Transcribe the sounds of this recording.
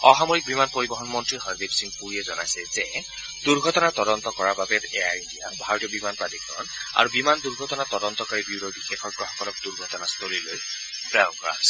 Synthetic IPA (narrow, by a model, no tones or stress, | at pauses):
ɔɦamoɹik̚bimanpoɹibɔɦɔnmɔntɹiɦɔɹbibsiŋɡ̚puɹiɛzɔnajsɛzɛ | duɹɡʱɔtɔnat̪ɔdɔnt̪ɔkɔɹababɛtɛjaɹindija̰bʱaɹɔtijɔbimanpɹadikːɔ̰na̰ɹubimanduɹɡʱɔtɔnat̪ɔdɔnt̪ɔkaɹibiwɹobixexʰɔɹbɹɔxɔ̥kɔlɔk̚duɹɡʱɔtɔnast̪ʰoliloj | pɹaɔŋkɔɹa̰ɦsɛ